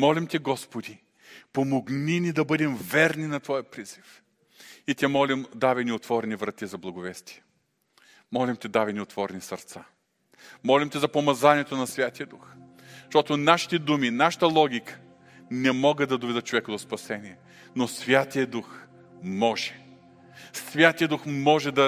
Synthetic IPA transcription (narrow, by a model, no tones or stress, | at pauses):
mɔlimt̪ʲiɡɔspod̪i | pomoɡninʲid̪ɐbɤd̪ɛmvɛɾninɐt̪vɔjɐpɾiz̥if | it̪ʲɛmɔlʲimd̪avɛniot̪vɔɾɛnivɾɐt̪izɐblˠɐɡovɛst̪i̥jɛ | mɔlimt̪ʲɛd̪avɛniot̪vɔɾɛnʲisɐɾt̪sa | mɔlʲimt̪ʲizɐpomɐzanʲiɛt̪onɐsvʲjat̪ijəd̪ux | ʃt̪ɔt̪onaʃi̥t̪ɛd̪uminaʃə̥t̪əlˠɔɡʲikə̥ | nɛmɔɡəd̪ɐd̪ovɛd̪ət͡ʃovɛkəd̪ospɐsɛniɛ | nosvʲjat̪ijəd̪ux | mɔʒɛ̥ | svʲjat̪ijəd̪uxmɔʒɛd̪ɐ